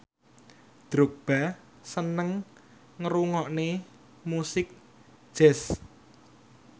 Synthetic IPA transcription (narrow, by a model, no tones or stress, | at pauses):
d̪̥ɾuk̚b̥a̤ | sənəŋ | ŋəɾuŋɔʔne | musɪk̚ | ʒ̥ɛs